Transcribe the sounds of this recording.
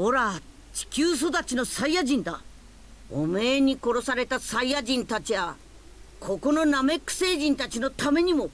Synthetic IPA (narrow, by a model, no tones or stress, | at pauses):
o̞ɾa | t͡ɕi̥kʲɨːs̬o̞d̪at͡ɕinosaijaʑĩnd̪a̰ | o̰me̞ːɲ̟iko̞ɾo̞saɾe̞t̪asaijaʑĩnt̪at͡ɕiβa | kʰo̞ko̞no̞name̞kːɯ̟̥se̞ːʑĩnt̪at͡ɕino̞t̪ame̞ɲ̟imo̞